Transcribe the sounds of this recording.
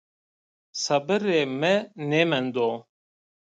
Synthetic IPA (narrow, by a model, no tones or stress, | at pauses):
sɐbɨɾeːmɛnemɛnd̪oː